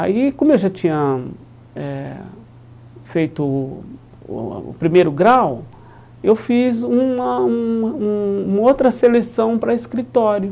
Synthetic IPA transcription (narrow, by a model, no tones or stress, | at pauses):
a̰ikõmʊewʒat͡ʃĩɲɐ | ɛ | fejt̪ʊ̰ | pɾimejɾʊɡɾaw | ewfizũɐũũũmɐowt̪ɾɐselesɐ̃w̃pɾɐeskɾit̪ɔɾjʊ